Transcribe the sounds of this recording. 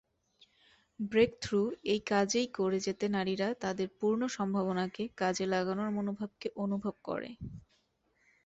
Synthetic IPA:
bɾekt̪ʰɾuejkad͡ʑejkoɾed͡ʑet̪enaɾiɾat̪ad̪eɾpuɾnoʃɔmbʱaβonakekad͡ʑelaɡanoɾmonobʱab̚keʔonubʱob̚kɔ̰ɾḛ

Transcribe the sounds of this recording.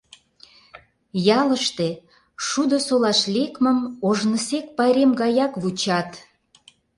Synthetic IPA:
jɑləʃt̪e | ʃud̪osolɑʃlʲekməmoʒnəsek̚pɑɾemɡɑjɑkβut͡ɕɑt̪

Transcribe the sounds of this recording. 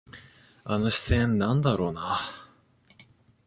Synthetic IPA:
anoɕi̥sẽnːãnd̪aɾo̞ːna

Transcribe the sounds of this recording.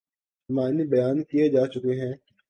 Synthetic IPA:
maːnibɐjaːnkied͡ʒaːt͡ʃʊkeɦɛ̃ː

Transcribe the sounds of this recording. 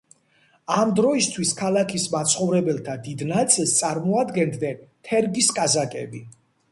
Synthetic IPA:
amd̪ɾɔist̪ʰwiskʰalˠakʰismat̪sʰχɔvɾɛbɛlˠt̪ʰad̪id̪nat̪sʼilˠst̪sʼaɾmɔad̪ɡɛnd̪nɛnt̪ʰɛɾɡiskʼazakʼɛ̰bi

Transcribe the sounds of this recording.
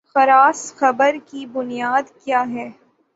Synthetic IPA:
xɐɾaːsxɐbəɾkibʊnijaːd̪kjaːɦɛː

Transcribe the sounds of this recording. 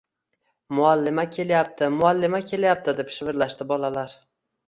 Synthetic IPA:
mʊalːɪmakʲʰe̞ljap̚t̪ʰɪmʊalːɪmakʲʰe̞ljap̚t̪ɪd̪e̞pʃɪvɪɾlaʃt̪ɪbɒlalaɾ

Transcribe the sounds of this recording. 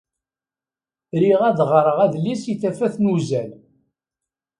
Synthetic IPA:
ɾiʁæðʁɾˤəʁæðlisiθæfæθnuzæl

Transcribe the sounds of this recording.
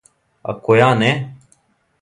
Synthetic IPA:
a̰koːjaːne

